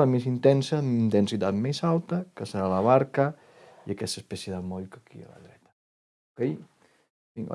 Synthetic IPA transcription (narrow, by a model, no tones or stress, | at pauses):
əmes̬int̪ɛnsəint̪ensit̪at̪mesalˠt̪əkəsəɾalɐβaɾkə | iakɛst̪əspɛsjeðəmɔʎkakḭa̰lə̰ðɾɛt̪ɐ | okej | iŋ̰